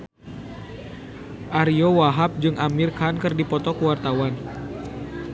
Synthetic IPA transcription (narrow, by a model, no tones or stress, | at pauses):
ʔaɾiowaɦap̚d͡ʒɨŋʔamirkankɨrdipɔt̪ɔkəwart̪awan